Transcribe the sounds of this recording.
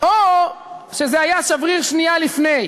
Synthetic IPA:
ʔo | ʃe̞zeajaʃavʁiʁʃnialifne̞j

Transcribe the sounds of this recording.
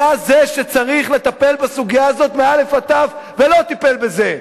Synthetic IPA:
azeʃe̞t͡saʁiχle̞t̪ape̞lbasuɡijaːzo̞t̪meale̞fat̪avve̞lo̞t̪ipe̞lbe̞ze

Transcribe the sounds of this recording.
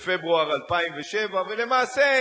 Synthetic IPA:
febʁuaʁalpaimveʃevavele̞maːse

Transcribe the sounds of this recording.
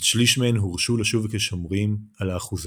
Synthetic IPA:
ʃliʃmeenɦuʁʃulaʃuvkeʃomʁimalaːχuz

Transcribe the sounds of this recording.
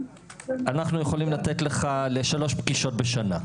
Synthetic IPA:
anaχnujeχo̞limlat̪etle̞χale̞ʃalo̞ʃpɡiʃo̞t̚beʃana

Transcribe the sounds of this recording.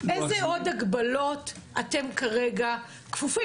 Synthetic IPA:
ezeo̞daɡbalo̞tate̞mkaʁeɡa | kfufi

